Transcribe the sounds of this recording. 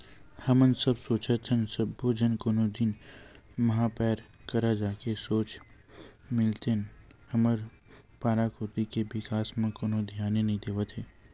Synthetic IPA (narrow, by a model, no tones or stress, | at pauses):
hɐmənsəbsoːt͡ʃət̪ʰənsəbːoːd͡ʒənkonod̪in | mɐɦapɛːɾkəɾad͡ʒaːkesoːt͡ʃ | mɪlt̪enhəməɾ | paːɾakoːt̪ikeʋɪkaːsmẽkoːnõd̪ʱjaːnenɐɦĩd̪eːʋət̪ɦɛː